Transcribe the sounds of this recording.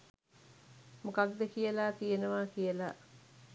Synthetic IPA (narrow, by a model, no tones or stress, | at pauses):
mokaɡ̚d̪ekijəlaːt̪ijenəʋaːkijəla